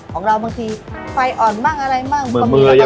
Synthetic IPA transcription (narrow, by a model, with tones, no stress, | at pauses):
kʰɔː˩˦ŋɾa˧wbaː˧ŋt̪ʰiː˧fa˧jʔɔː˨˩nmaː˥˩ŋ̚ʔa˧ɾa˧jmaː˥˩kmɯ˨˩˧mɯː˧a˧ja˦